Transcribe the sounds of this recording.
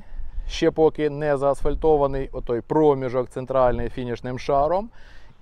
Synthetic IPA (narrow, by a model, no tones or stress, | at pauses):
ʃt͡ʃɛpɔkɪnɛzɐːsfɐlʲt̪ɔʋɐnɪjɔt̪ɔjpɾɔmʲiʒɔkt̪sɛnt̪ɾɑlʲnɪjfʲinʲiʃnɪmʃɑɾɔm